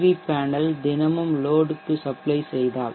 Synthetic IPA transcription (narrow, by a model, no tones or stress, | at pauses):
ʋipaːnɐld̪ɪnɐmɯmloːɖɯt̪ːɯsɐplɐɪsɛjðaːl